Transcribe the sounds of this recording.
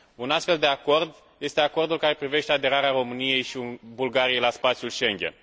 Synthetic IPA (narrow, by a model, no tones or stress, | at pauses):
unast̪fe̞ld̪e̞ako̞rd̪ | je̞st̪e̞ako̞rd̪ulkaɾe̞pɾive̞ʃt̪e̞ad̪e̞ɾaɾeaɾo̞mɨnije̞jʃiubulɡaɾijejlaspat̪sjulʃe̞ŋɡʲe̞̰n